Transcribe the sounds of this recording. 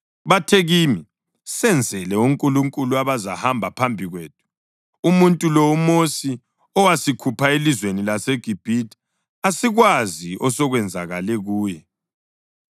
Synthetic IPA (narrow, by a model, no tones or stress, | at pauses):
βatʰeɣimi | sɛnd͡zʱɛlɛuŋkʼuluŋkʼuluaβaza̰hambʱapʰambʱiɣweːtʰu̥ | umuntʼulɔumosi | ɔwasikʰupʰaelizwenilaseɡ̥ʱib̥ʱitʰʼ | asiɣwaziʔɔsɔɣwɛnd͡zʱaɣalɛɣuːjɛ